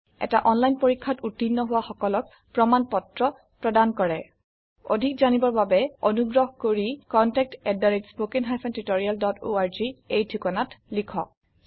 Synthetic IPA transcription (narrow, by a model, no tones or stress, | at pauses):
ɛ̰taʔɔnlajnpoɹikʰːatutːinːɔɦʊwaxɔkɔlɔk̚ | pɹɔmanpɔtɹɔ | pɹɔdankɔɹɛ | o̰dʱik̚zanibɔɹbabɛonuɡɹɔɦkoɹikɔntɛk̚tɛdaɹitspokinɦajpʰɔntitoɹialdɔto̰aɹziejdʰʱukɔnatlikʰɔ̰